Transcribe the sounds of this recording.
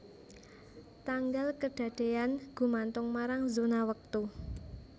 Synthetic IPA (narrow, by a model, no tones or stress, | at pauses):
t̪aŋɡalkəɖ̥ä̤ɖ̥e̤anɡ̥ṳmant̪ʊŋmaɾaŋzonawək̚t̪u